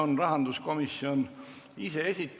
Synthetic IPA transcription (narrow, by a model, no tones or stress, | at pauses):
onrɑɦɑnd̪usko̞misːion | ise̞esʲit̪ːˑ